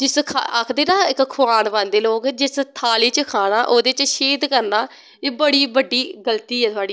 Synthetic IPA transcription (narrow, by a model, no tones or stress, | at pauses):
d͡ʒɪskʰaa̰ːkʰd̪eːnaːɪkkʰʊaːnʋãːnd̪eːloːkd͡ʒɪst̪ʰaːliːt͡ʃəkʰaːɽ̃aːʔoːd̪eːt͡ʃʃeːd̪kəɾnaː | eːbəɽiːbəɖːiːɡəlt̪iːɦɛːt̪ʊaːɖiː